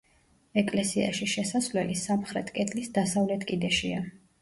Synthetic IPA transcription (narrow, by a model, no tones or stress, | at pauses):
ɛkʼlɛsia̰ʃiʃɛsasvlɛlisamχɾɛt̪ʰkʼɛt̪ʼlisd̪asavlɛt̪ʰkʼid̪ɛʃia